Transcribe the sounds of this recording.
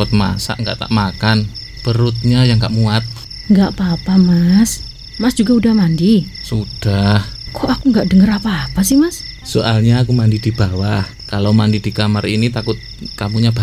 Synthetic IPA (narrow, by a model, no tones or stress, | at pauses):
ʊt̪̚ma̰sa̰ʔŋɡa̰ʔt̪a̰ʔmakan | pəɾʊt̪̚ɲajaŋɡaʔmuat̪̚ | ŋɡaʔpaːpamas | masd͡ʒ̥uɡaudahmandi | sud̥ahkɔʔakuŋɡaʔdəŋəɾapaːpasɪhmassoʔalɲaːkumandid̥ib̥awah | kalowmandid̥ikamarinit̪akʊt̪̚kamuɲab̥a